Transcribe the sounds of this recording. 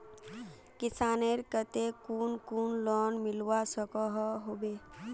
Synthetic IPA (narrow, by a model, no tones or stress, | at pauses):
kɪsaːneɾkət̪ekuːnkuːnlɔːnmɪlwasəkɔɦɦobe